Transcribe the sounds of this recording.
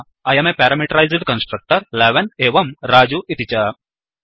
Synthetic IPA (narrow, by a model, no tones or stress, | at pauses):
ɐjɐmepeːɾɐmiʈɐɾɐjzɖkɐnsʈɾɐk̚ʈɐɾlɛʋɐneːʋɐmɾaːd͡ʒuʔit̪it͡ʃɐ